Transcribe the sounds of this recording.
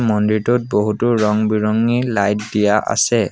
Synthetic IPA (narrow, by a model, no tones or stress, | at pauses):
mɔndiɹtut̚boɦutʊɹɔŋbiɹɔŋilajtdijaʔa̰sɛ